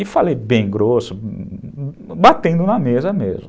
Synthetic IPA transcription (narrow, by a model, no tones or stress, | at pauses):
ɪfalejbẽj̃ɡɾosʊ | bat̪ẽnd̪ʊnɐmezɐmḛzmʊ